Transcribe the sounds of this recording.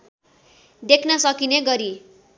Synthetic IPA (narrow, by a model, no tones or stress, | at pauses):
d̪ekʰnʌsʌkineɡʌɾi